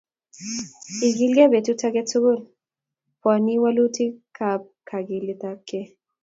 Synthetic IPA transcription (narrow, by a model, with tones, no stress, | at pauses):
i˨ɡi˦lɡɛ˦be˨tu˦ta˦kɛ˦tʊ˦ɡʊ˦˨l | pwa˨ni˦wa˦lu˦ti˦kʰa˨p̚kʰa˨ɡi˨li˦ta˦kːɛ˦